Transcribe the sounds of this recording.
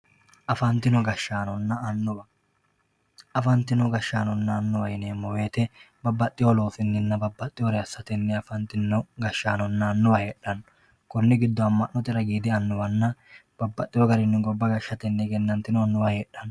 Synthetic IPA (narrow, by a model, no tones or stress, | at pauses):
ʔɐfɐnt̪ːɪnɔɡɐʃːaːnɔnːɐɐnːʊbɐ | ɐfɐnt̪ɪnɔɡɐʃːaːnɔnːɐːnːʊwɐjneːmːɔwe̞ːt̪ɛ | bɐbːɐt̪ʼːɪjɔlo̞ːfɪnːɪnːɐbɐbːɐt̪ʼːɪjɔɾɛɐsːɐt̪ɛnːɛɐfɐnt̪ɪnːɔɡɐʃːaːnɔnːɐːnːʊwɐheːᶑɐn | kʊnːɪɡɪd̪ːɔɐmːɐʔnːɔt̪ɪɾɐɡiːd̪ɪɐnːʊwɐnːɐb̥ɐbːɐt̪ʼːɪjɔɡɐɾɪnːɪɡɔbːɐɡɐʃːɐt̪ɛnːɛɡɛnːɐnt̪ːɪnɔɐnːʊwɐheːᶑɐn